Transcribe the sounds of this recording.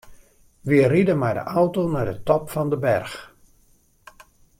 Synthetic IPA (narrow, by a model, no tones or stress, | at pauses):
ʋiəridəmɛjdə̰ʔawtonadətɔpfɔndəbɛrx